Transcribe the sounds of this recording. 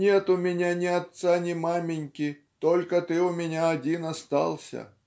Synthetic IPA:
nʲet̪ʊmʲɪnʲanʲɪɐt̪sanʲɪmamʲɪnʲkʲɪ | t̪olʲkət̪ɨʊmʲɪnʲaɐdʲinɐst̪ɑ̰lˠsʲə̰

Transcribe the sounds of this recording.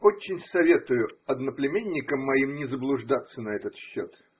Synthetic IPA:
o̞t͡ɕːɪnʲsɐvʲe̞t̪ʊjʊɐd̪nəplʲɪmʲenʲːɪkəmːɐimnʲɪzəblˠʊʐd̪at̪sːənɐɛt̪ət̪ɕːo̰t̪

